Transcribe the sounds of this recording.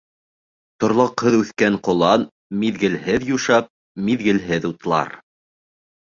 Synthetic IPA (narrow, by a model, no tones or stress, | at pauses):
t̪ŏɾlˠɑqhɤðʉθkæɴqŏlˠɑn | miðɡɘ̆lɦɘðjuʃɑp̚ | miðɡɘ̆lɦɘðut̪lˠɑ̰ɾ